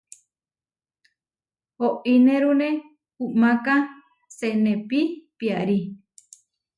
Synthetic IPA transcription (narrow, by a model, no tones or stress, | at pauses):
hoʔineɾune | humaka | senepipiaɾi